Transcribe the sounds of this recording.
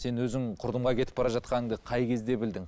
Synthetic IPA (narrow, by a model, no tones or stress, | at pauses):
se̞nwɵzɪŋqʰʊɾd̪əmʁɑkʲe̞t̪ɪ̥pbɑɾɑʒɑt̪̚qɑnəŋd̪əqʰɑjkʲʰe̞zd̪e̞bɪld̪ɪŋ